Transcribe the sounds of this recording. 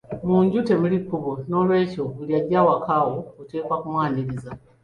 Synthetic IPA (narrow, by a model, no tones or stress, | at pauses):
muːɲɟute̞mulikːuβono̞lwe̞ːco̞βuljaɟawakawoote̞ːkwakumwaːniɾiza